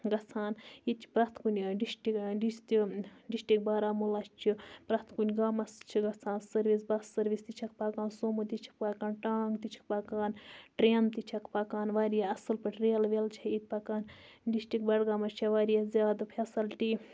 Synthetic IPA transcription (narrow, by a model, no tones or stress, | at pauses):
ɡɐt͡sʰaːnjit͡ʃʰi̥pɾɐt̪ʰkunʲɖisʈikɖist̪iɖisʈik̚baːɾaːmulɐst͡ʃʰipɾɐt̪kunʲɡaːmɐst͡ʃʰiɡɐt͡sʰaːnsɐɾʋisbɐsːɐɾʋist̪it͡ʃʰɐk̚paːkaːnsoːmut̪it͡ʃʰi̥k̚paːkaːnʈaːŋɡt̪it͡ʃʰi̥k̚pakaːnʈɾeːnt̪it͡ʃʰɐkpaːkaːnʋaːɾijaɐsɨlpɐʈɾelʋelt͡ʃʰɐit̪̚ʲpɐkaːn | ɖisʈikbɐɽɡaːmɐt͡ʃʰɐʋaːɾijazʲjaːd̪pʰɐsɐlʈi